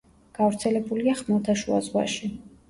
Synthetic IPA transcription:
ɡ̥avɾt̪sʰɛlɛbuliaχmɛlˠt̪ʰaʃua̰zʁwa̰ʃi

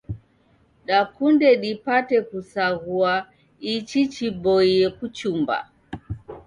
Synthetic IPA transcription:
ɗakundɛɗipatɛkusaɣua | it͡ʃit͡ʃibɔiɛkut͡ʃumba̰

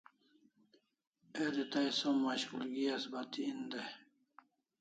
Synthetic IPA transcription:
ed̪it̪ajsomːaɕkulɡiasbat̪iːnd̪e

